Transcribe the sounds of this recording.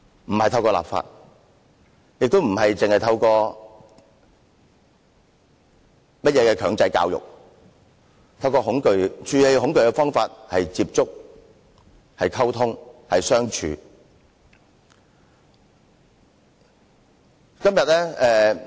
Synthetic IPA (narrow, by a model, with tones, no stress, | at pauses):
m̩˨˩hɐ˨jt̪ʰɐ˧wkɔː˧la̰ː˨p̚fa̰ː˧t̚ | jɪ˨k̚t̪o˥m̩˨˩ɦɐ˨jt͡sɪ˨ŋhɐ˨jt̪ʰɐ˧wkɔː˧ | mɐ˥t̚jɛː˨˧kɛː˧kʰœː˨˥ŋt͡sɐ˧jka̰ː˧wjʊ̰˨k̚ | t̪ʰɐ˧wkɔː˧ɦʊ˨˥ŋkɵ˨ɥt͡ʃʰyː˨˧le˨˧jɦʊ˨˥ŋkɵ˨ɥkɛ˧fɔː˥ŋfaː˧t̚hɐ˨jt͡siː˧p̚t͡sʊ˥k̚ | hɐ˨jkʰɐ˥wt̪ʰʊ˥ŋhɐ˨jsœː˥ŋt͡ʃʰy̰ː˧ | kɐ˥mjɐ˨t̚lɛː˥ɛː˨˧